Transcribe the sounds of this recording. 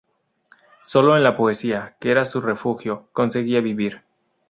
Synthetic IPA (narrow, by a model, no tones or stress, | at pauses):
so̞lo̞enlapo̞e̞siakeeɾasure̞fuxjo̞ko̞nse̞ɣiaβiβiɾ